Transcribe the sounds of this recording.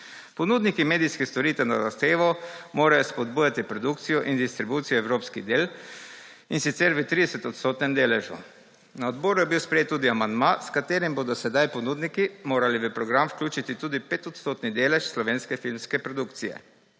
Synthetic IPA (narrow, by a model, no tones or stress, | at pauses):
pɔnud̪nikimeːd̪ijskɛst̪ɔɾiːt̪ɛnazaxt̪eːʋɔmoːɾajɔspɔd̪̚buːjat̪ipɾɔd̪uk̚t̪sijɔʔind̪ist̪ɾibuːt̪sijɔɛwɾoːpskid̪eːl | insit̪sɛɾʋət̪ɾid̪ɛsɛt̪ɔt̪st̪oːt̪nɛmd̪eːlɛʒṵ | naɔd̪bɔːɾujɛbiwspɾɛjeːt̪ːuːd̪iamand̪maskat̪eːɾimboːd̪ɔsɛd̪ajpɔnuːd̪nikimoːɾaliʋəpɾɔɡɾamfwklʲuːt͡ʃit̪it̪uːd̪ipeːt̪ɔt̪st̪oːt̪nid̪eːlɛʃslɔʋeːnskɛfilmskɛpɾɔd̪ukt̪sijɛ̰